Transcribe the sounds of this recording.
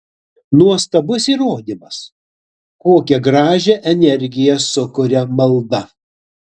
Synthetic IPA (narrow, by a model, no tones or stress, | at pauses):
nuɔst̪ɐbʊsiːɾoːd̪ʲimɐs | koːkʲɛɡɾɑːʒʲɛʔɛnʲɛɾʲɡʲɪjɛsʊkʊɾʲɛmɐlˠd̪ɐ